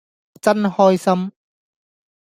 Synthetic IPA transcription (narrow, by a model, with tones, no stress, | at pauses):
t͡sɐ˥nhɔː˥jsɐ˥m